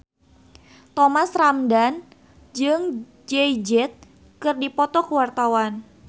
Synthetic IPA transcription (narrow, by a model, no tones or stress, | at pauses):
t̪ɔmasramdan | d͡ʒɨŋ | d͡ʒɛd͡ʒɛt̪̚ | kɨrdipɔt̪ɔkəwart̪awan